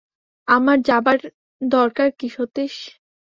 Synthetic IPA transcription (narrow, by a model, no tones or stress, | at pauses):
amaɾd͡ʑabaɾ | d̪ɔɾkaɾkiʃot̪eʃ